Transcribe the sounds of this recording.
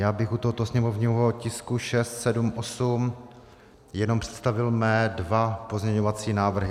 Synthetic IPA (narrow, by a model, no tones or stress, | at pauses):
jaːbɪxut̪oɦot̪osɲɛmovɲiɦocɪskuʃɛst̪sɛdumʔosum | jɛnompr̥ɛ̥t̪st̪avɪlmɛːdvapozɲɛɲovat͡siːnaːvr̩ɦɪ